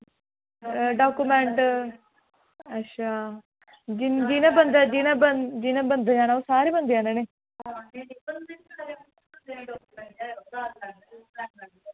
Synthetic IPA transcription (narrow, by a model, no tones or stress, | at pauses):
ɖaːkumɛ̃ɳʈ | ətːʃʰaː | d͡ʒɪd͡ʒinãːbənd̪ad͡ʒinãːbəd͡ʒinãːbənd̪ad͡ʒaːnaːoːsaːɾiːbənd̪eãːneːneː | kː